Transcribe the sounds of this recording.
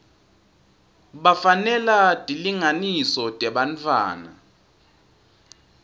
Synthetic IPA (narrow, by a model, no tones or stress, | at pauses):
ɓafanɛlad̥ʼʱiliŋanisɔd̥ʼɛɓant͡fʰʼwa̰ːna̰